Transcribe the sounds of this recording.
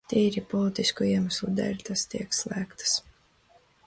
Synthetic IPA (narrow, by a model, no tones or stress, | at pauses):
t̪iːɾipɔlˠit̪iskuiɛmaslˠud̪ɛ̰lʲt̪ast̪iɛkslˠæːkt̪ɨ̥s